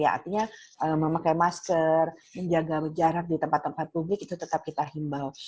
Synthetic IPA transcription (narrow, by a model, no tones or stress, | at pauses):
jaa̰rt̪iɲaʔəməmakajmaskərməɲd͡ʒaɡabəd͡ʒaɾar̚dit̪əmpat̪ːəmpat̪̚publɪkit̪ut̪ət̪ap̚kit̪aɦimbal